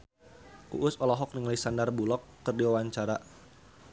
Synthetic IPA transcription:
ʔṵʔʊsɔlɔɦɔk̚niŋalisandarbulɔkːɨrdiwawaɲt͡ʃaɾa

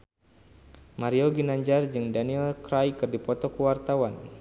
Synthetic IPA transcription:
maɾioɡinaɲd͡ʒard͡ʒɨŋdaniɛlkɾajkɨrdipɔt̪ɔkuwart̪awan

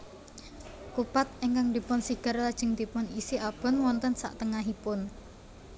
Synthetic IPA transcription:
kupat̪̚eŋkaŋd̪i̤pʊnsiɡ̥ə̤rlad̥ʒ̥ə̤ŋd̪̥ipʊnisiʔab̥ɔ̤nwɔnt̪ənsa̰ʔt̪əŋaɦipʊn

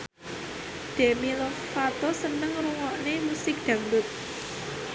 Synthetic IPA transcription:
d̪̥e̤milɔfat̪osənəŋɾuŋɔʔnemusɪk̚d̪̥ä̤ŋdʊt̪̚

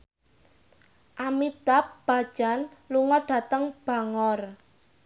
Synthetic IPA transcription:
ʔamid̪̥ap̚b̥a̤d̥ʒ̥a̤nluŋɔɖ̥a̤t̪əŋb̥a̤ŋɔr

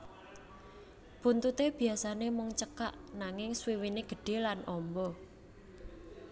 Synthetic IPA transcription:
b̥unt̪ut̪eb̥i̤asanemɔŋt͡ʃəkaʔnaŋɪŋswiwineɡ̥ə̤ɖ̥e̤lanʔɔmbɔ

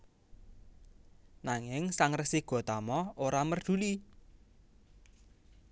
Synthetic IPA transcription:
naŋɪŋsaŋrəsiɡ̥ɔ̤t̪amɔoɾamərd̪̥ṳli

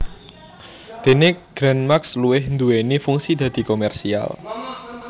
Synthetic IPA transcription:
d̪̥e̤nɪkɡ̥ɾɛnmaksluwɪhnd̪uwenifuŋsid̪̥ä̤d̪̥i̤komɛrsia̰l

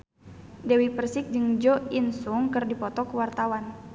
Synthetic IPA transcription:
dɛwipərsɪk̚d͡ʒɨŋd͡ʒɔinsuŋkɨrdipɔt̪ɔkəwart̪awan

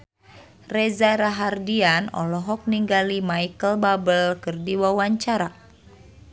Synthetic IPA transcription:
rezaɾaɦardianɔ̰lɔɦɔk̚niŋɡalimaikəlbabəlkɨrdiwawaɲt͡ʃaɾa

